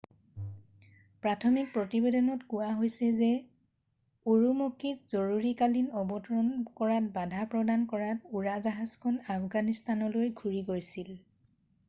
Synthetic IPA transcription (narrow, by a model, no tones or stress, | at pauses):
pɹatʰɔmik̚pɹɔtibedɔnɔtkʊwaɦojsɛzɛ | uɹumokitzɔɹuɹikalinɔbɔtɔɹɔnkɔɹat̚badʱapɹɔdankɔɹatuɹazaɦazkʰɔnapʰɡanistanɔlojɡʱuɹiɡojsil